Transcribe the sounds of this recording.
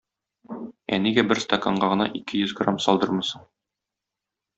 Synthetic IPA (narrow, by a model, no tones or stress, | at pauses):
æ̰niɡæbɘɾst̪okoɴɢɑʁɤ̆nɑ̰ʔikɘjɵzɡramsɒlˠd̪ɤɾmɤ̆sɤ